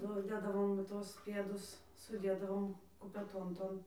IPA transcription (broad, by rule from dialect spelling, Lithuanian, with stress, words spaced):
ˈnʊ ˈdʲeːdɐʋoːm ˈtuɔs ˈpʲeːdʊs sʊˈdʲeːdɐʋoːm kʊpʲɛˈtoːn ˈtoːn